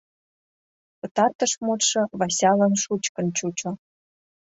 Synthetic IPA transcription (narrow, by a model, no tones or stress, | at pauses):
pɤ̆t̪ɑrt̪ə̆ʃmut̪ʃɤ̆βɑsʲɑlə̆nʃut͡ɕkə̆nt͡ɕut͡ɕŏ